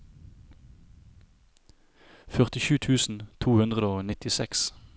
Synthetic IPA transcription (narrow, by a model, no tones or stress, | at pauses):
fœʁt̪ɪʃʉːt̪ʰʉːsn̩t̪ʰuːhʉnd̪ʁəd̪əoːnɪt̪ɪsɛ̰ks